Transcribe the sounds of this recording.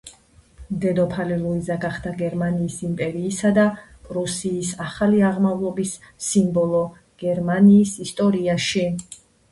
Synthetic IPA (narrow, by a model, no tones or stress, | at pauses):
md̪ɛd̪ɔpʰaliluid̪zaɡaχd̪̥aɡɛɾmaniːsimpʼɛɾiːsad̪a | pʼɾusiːsaχaliaʁmavlˠɔbisː | imbɔlˠɔ | ɡ̥ɛɾmaniːsist̪ʼɔɾiaʃi